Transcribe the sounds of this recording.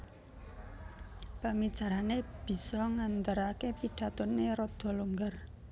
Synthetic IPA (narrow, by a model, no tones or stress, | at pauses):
pamid̥ʒ̥ä̤ɾaneb̥i̤sɔŋant̪əɾakepiɖ̥ä̤t̪ʊnːeɾɔd̪̥ɔ̤luŋɡər